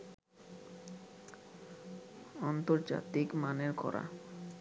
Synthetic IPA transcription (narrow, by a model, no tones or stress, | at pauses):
ɔnt̪oɾd͡ʑa̰t̪ikmaneɾkɔ̰ɾa̰